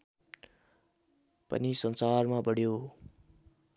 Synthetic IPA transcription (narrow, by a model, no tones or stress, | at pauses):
pʌ̰nisʌnsarmabʌɽjo